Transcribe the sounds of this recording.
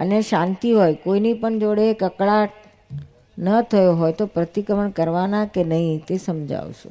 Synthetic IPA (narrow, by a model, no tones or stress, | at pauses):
ə̰neʃãnt̪iɦojkoinipəɳd͡ʒoɽekəkɭaʈ | nət̪ʰəjoɦojt̪opɾət̪ikəʋəɳkəɾʋanakenəɦĩt̪esəmd͡ʒa̰ʋʃḛ̃